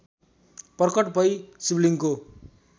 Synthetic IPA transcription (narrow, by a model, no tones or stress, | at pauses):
pʌrkʌʈbʱʌjsibliŋko